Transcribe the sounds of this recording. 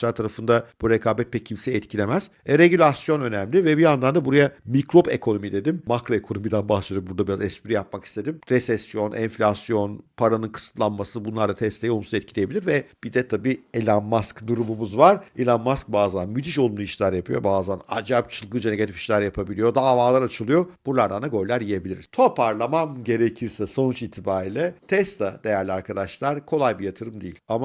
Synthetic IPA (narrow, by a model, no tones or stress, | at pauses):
ʃaɾt̪ʰaɾafɯnd̪ab̥uɾekʰaːbɛt̪̚pʰɛcʰimseɛt̪̚cʰilʲe̞mæz̥ | ɛɾeɟylʲasjo̞nø̞næmlʲivɛbiand̪and̪abuɾajamikɾo̞bḛkʰo̞no̞mid̪e̞d̪immakɾo̞ekʰo̞no̞mid̪ænbahʃlˠijɾmbuɾd̪abiɾazɛspiɾijap̚maki̥st̪ʰe̞d̪imɾesɛsːjo̞nʔɛnflʲasjo̞npʰaɾanɯnkʰɯ̥sɯ̥t̪lˠanmasɯbunlˠaɾd̪at̪ʰɛst̪ʲejolˠmuszɛt̪̚cʰilʲeebilʲiɾvɛb̥id̪ɛt̪ʰabiːelʲanmaskd̪uɾumumuzvaɾelʲanmask̚baːzanmyt̪ʰiʃo̞lˠumuiʃlʲæɾjapɯjo̞̰baːzanad͡ʒap̚t͡ʃʰɯlˠɡɯd͡ʒeneɡat̪ʰifi̥ʃlʲæɾjapʰabilʲijo̞d̪aːvaːlˠaɾat͡ʃʰɯlˠɯjo̞b̥uɾlˠaɾd̪anaɡo̞ɾilʲæɾjije̞bilʲiɾizt̪ʰopʰaɾlˠamamɟe̞ɾecʰiɾsɛso̞nut͡ʃit̪ʰːibaːɾilʲɛt̪ʰɛst̪ʰad̪e̞jæɾlʲiaɾkʰad̪aʃlˠaɾkʰo̞lˠajbijat̪ʰɯɾɯmd̪ejilʲama